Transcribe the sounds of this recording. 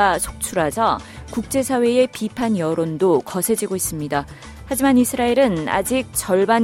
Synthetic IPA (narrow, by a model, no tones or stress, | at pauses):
asʰo̥k̚t͡ɕʰuɾɦasʰʌkuk̚t͡ɕ͈e̞sʰawe̞e̞pipʰanjʌɾondokʌsʰe̞d͡ʑiɡois͈ɯmɲida | had͡ʑimanisʰɯɾaiɾɯna̰d͡ʑik̚t͡ɕʌɭban